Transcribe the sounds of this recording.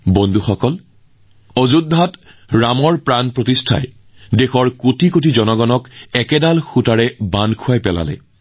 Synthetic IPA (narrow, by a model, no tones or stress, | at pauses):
bondʱuxɔkɔl | ozudʱːat | ɹamɔɹpɹanpɹotistʰa̰j | dexɔɹkotʰikotʰizɔnɔɡɔnɔkɛkɛdalxutaɹɛbankʰuajpɛla̰lɛ̰